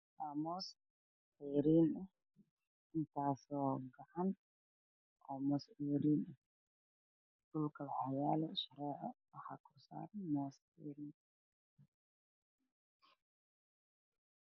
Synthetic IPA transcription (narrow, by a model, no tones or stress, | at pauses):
wamɔːs | ʕiːɾiːnɛ | ʔɪnt̪ʰaːsɔːɡɐʕan | ʔɔːmɔsʕiːɾiːnɛ | dʊlkʰɐwħajaːlɛʃɐɾɛːʕawɑħɑ̰ːkʰʊrsa̰ːrmɔːs | ḭːɾiːn